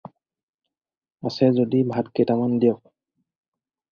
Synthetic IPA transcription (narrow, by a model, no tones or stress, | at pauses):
asɛzodibʱatkejtamandiɔk̚